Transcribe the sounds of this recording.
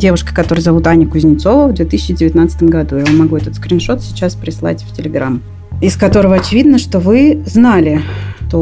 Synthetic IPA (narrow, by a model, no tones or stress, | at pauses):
dʲe̞vʊʂkə̥kɐt̪o̞ɾəjzɐvut̪anʲəkʊzʲnʲɪt̪so̞vəvd̪vʲet̪ɨsʲɪt͡ɕːɪdʲɪvʲɪt̪nat̪sə̥t̪əmɡɐd̪ujavomɐɡuɛt̪ət̪skɾʲɪnʂo̞t̪sʲɪt͡ɕaspɾʲɪslˠa̰tʲftʲɪlʲɪɡɾa̰m | ɪskɐt̪o̞ɾəvəɐt͡ɕɪvʲid̪nəʂt̪o̞vɨznalʲɪt̪o